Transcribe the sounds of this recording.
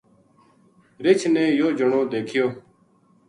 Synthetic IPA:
ɾɪt͡ʃʰneːjoːd͡ʒəɳõːd̪eːkʰɪjoː

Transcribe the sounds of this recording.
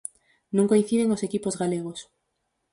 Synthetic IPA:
nũŋkoĩn̟θiðeŋosekipozɣaleɣ̞os

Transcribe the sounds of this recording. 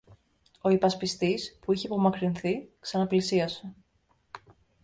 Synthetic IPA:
o̞ipɐspist̪ispuiçepo̞mɐkɾinθiksɐnɐplisiɐse

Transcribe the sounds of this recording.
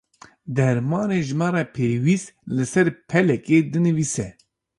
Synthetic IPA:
d̪ɛɾmɑːneːʒɨmɑːɾɑːpʰeːwist̪lɨsɛɾpʰɛlɛkeːd̪ɨnɨviːsɛ

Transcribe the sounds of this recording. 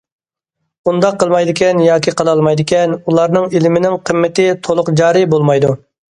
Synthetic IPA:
und̪ɑqʰːəlˠmɑjd̪ɪkʲɛnjɑːkʲʰiqʰəlˠɑlˠmɑjd̪ɪkʲɛnulˠɑɾnɨŋilɪmɪnɪŋqʰəmːɪt̪ɪt̪ʰolˠʊqd͡ʒɑːɾibolˠmɑjd̪u

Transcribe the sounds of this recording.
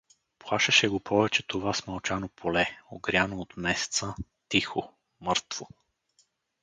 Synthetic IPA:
plˠaʃɐʃɛɡopʰɔvɛt͡ʃɛt̪ovasmɐlˠt͡ʃanopʰolɛoɡɾʲanoːt̪mɛsɛ̥t̪sə | t̪ixo | mɤɾt̪v̥o

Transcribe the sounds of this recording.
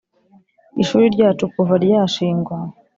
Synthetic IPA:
iʃuːɾiɾɟaːt͡ʃukuvaɾjaːʃiːŋɡwa

